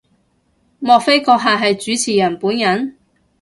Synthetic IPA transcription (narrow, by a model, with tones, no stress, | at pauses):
mɔː˨k̚fe˥jkɔː˧k̚ɦaː˨˧ɦɐ˨jt͡syː˨˥t͡sʰiː˨˩jɐ˨˩npuː˨˥njɐ˨˥n